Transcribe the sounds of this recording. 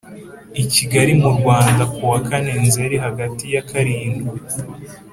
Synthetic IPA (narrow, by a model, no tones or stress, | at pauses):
iciɡaɾimuɾɡwaːndakuwakane̞nzeɾiɦaɡatijakʰaɾiːŋɡu